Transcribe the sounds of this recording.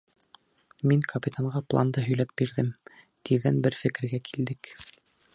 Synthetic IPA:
miŋkʰɐpʲit̪ʰaɴʁɑplˠa̰nd̪ɤɦɵ̆jlæp̚biɾðɘm | t̪ʰiððænbɘɾfɘ̆kɘ̆ɾɡækʰild̪ɘk

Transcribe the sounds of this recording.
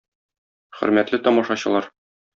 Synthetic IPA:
χɘ̰̆ɾmæt̪lɘt̪ɒmɑʃɑɕɤ̆lˠɑɾ

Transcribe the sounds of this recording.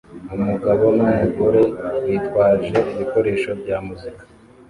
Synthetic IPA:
umuɡaβo̞maheɡoɾewitwaːʒe̞ʔiβiko̞ɾe̞ːʃo̞bɟaːmuzikḁ

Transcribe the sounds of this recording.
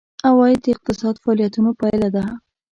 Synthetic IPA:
awɑjid̪əɪq̚t̪ɪsɑd̪faɑlijat̪unopajlad̪a

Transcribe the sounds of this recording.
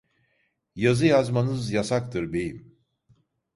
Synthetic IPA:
jazɯjazmanɯzjasak̚t̪ʰɯɾbe̞jim

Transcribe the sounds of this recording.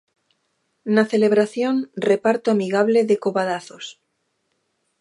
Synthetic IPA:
naθeleβ̞ɾaθjonrepaɾt̪oamiɣaβ̞leðekoβaðaθos

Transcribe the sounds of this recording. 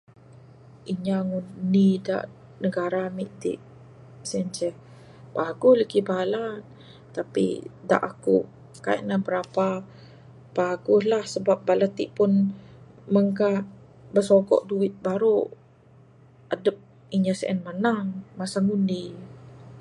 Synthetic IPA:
ʔiɲaŋunida̰ʔ | nəɡaɾamiʔt̪ḭʔ | sɛɛnt͡ʃɛh | baɡʊhləkibala | t̪apḭda̰ʔakṵ | kaḭʔnahbəɾapa | paɡʊslahsəbap̚balat̪ːiʔpʊn | məŋka | bəsoɡɔ̰ʔduɪt̪̚baɾu | adəp̚ | iɲasəʔə̰nmanaŋmasaŋuni

